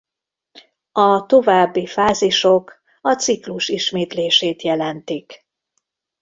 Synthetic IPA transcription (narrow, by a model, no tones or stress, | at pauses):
ɒt̪o̞vaːbːifaːziʃo̞k | ɒt̪sikluʃiʃmeːt̪leːʃeːt̪jɛlɛnt̪ik